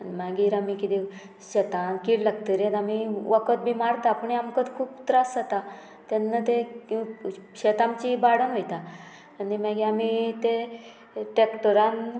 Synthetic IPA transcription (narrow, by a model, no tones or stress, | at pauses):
nmaɡiɾamikit̪i | ɕet̪ankiːɽlaɡt̪əɾjet̪amiʋəkət̪̚bʱimaɾt̪apəɳiamkət̪kʰuːpt̪ɾasat̪a | t̪anːat̪ekiɕet̪ãmt͡ɕibaɽənɦojt̪a | animaɡiamit̪e | ʈekʈəɾan